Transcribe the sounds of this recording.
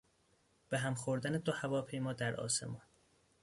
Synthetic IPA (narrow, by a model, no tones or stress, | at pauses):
b̥eɦæmxoɾd̪æned̪ohævɒːpʰe̞jmɒːd̪æɾʔɒ̰ːsḛmɒːn